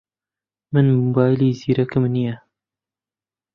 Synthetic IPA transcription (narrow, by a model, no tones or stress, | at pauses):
mɨnmubaːjliːziːɾɐkɨmnija